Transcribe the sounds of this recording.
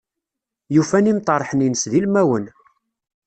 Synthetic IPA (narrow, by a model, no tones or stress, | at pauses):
jufænimt̪ˤɑɾˤħəninəsðilmæwən